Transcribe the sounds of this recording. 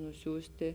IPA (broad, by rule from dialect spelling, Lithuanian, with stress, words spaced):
nʊˈsʲuːsʲtʲɪ